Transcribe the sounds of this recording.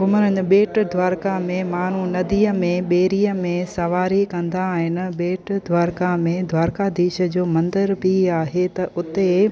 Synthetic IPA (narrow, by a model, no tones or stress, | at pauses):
ɡʊməɾənɓeːʈd̪ʱʋaːɾkamẽmaːn̤unɐd̪iːəmẽɓeːɾiːəmẽsɐʋaːɾikɐ̃nd̪aɦɪnɪ̆ɓeːʈd̪ʱʋaːɾkamẽd̪ʱʋaːɾkad̪iːʃə̆d͡ʑoːmɐ̃nd̪əɾpiaːɦet̪ɐʔʊt̪e